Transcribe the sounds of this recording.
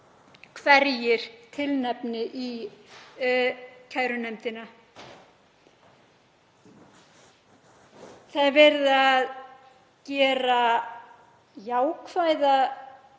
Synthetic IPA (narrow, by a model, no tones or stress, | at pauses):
kʰvɛɾjɪɾ̥t̪ʰɪlnɛpnɪʔi | cʰajɾʏnɛmt̪ɪna | θaðvɛɾðað | cɛːɾa | jaːwkʰvajða